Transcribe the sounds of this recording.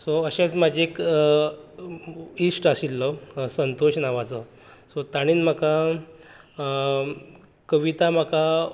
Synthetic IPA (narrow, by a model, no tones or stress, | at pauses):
soəɕẽt͡smad͡ʑeek | isʈasilːɔsənt̪oɕnaʋat͡sə | sot̪aɽ̃iːnm̤aka | kəʋit̪am̤aka